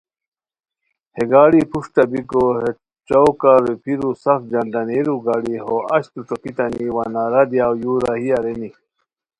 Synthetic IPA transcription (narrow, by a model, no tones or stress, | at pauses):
heɡaːɽipuʂʈɐbikoɦe | t͡ʃowkaɾepʰiɾusɐfd͡ʑɐnd̪ɐneɾuɡaɽiɦoʔɐ̰ɕt̪uʈ͡ʂokit̪ɐniwanaɾɐd̪jaːwjuːɾahijaɾeni